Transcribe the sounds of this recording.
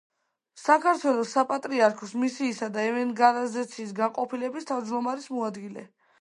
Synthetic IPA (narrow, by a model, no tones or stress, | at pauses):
sakʰaɾt̪ʰwɛlˠɔsapʼat̪ʼɾiaɾkʰɔsmisiːsad̪aɛvɛnɡalazɛt̪sʰiːsɡanqʼɔpʰilɛbist̪ʰavd͡ʒd̪ɔmaɾismɔad̪ɡilɛ̰